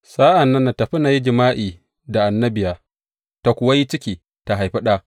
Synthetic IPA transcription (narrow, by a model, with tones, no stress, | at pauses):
saː˦ʔa˨nːɐ˦nːa˨ta˨ɸɪ˦na˨ji˦d͡ʒɪ˨maː˦ʔiː˨ | da˨ʔa˨nːɐ˦bɪ˨jaː˨ | ta˨kʷʊ˨wa˦ji˦t͡ʃɪ˦kʲiː˨ | ta˨ɦa˨jɸi˦ɗaː˦